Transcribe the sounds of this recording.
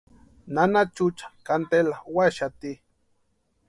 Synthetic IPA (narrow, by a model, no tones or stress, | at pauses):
nanat͡ʃut͡ʃḁkant̪elawaʃat̪i